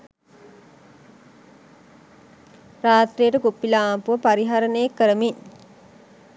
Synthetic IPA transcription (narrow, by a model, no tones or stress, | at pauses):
raːt̪rijəʈəkupːilaːmpuʋəpaɾiɦaɾənəjekːəɾəmin